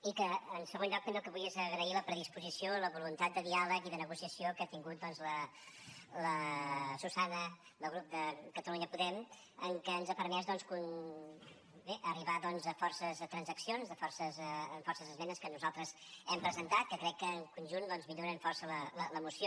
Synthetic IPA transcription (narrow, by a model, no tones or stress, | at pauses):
ikəːnsəɣonʎɔk̪̚enəlˠkəβulezəɣɾəiləpɾəðispuzisioləβulunt̪at̪̚d̪əðialəkiðənəɣusiəsiokəat̪iŋɡut̪̚d̪ɔnzlə | ləsusanə | ləɣɾup̚d̪əkət̪əluɲəpuðɛm | əŋkənzapəɾmɛzd̪ɔnskun | beʔəriβaðɔnzəfɔrsəzət̪ɾənzəksionzðəfɔrsəzɱfɔrsəzəzmɛnəskənuzalˠt̪ɾəzɛmpɾəzənt̪at̪̚kəkɾɛkːəːŋkunʒund̪ɔnzmiʎoɾənfɔrsələlələmusio